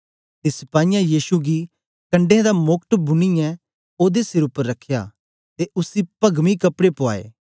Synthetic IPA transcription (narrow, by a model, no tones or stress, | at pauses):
t̪esɪpaːijãjiːʃuɡi | kɐ̃ɳɖeãd̪amʊkʈbʊniɛ | oːd̪esɪɾʊpːəɾːɐkʰːja̰ː | t̪eʔʊsipɐɡmikɐpɽepoa̰ːḛː